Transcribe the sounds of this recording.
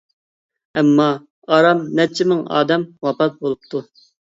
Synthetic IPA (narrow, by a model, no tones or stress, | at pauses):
ɛmːɑ | ɑɾɑmnɛt͡ʃʰːɪmɪŋɑ̰ːd̪ɛmwɑpɑt̪̚bolˠup̚t̪ʰu